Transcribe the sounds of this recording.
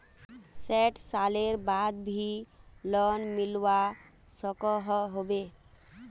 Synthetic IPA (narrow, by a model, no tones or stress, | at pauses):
sɛʈsaleɾbad̪̚bʱilɔnmilwa | sɔkɔɦɔɦobe